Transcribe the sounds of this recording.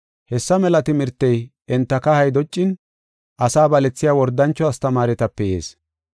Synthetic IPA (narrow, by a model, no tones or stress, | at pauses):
hɛsːɐmɛlɐt̪ɪmɪɾt̪ːɛjʔɛnt̪ːɐkɐhɐjd̪ɔt͡ʃʼːɪn | ʔɐsaːbɐlɛt͡sːɪjaːwɔɾd̪ːɐnt͡ʃːɔɐst̪ɐmaːɾɛt̪ɐpːɛjḛːs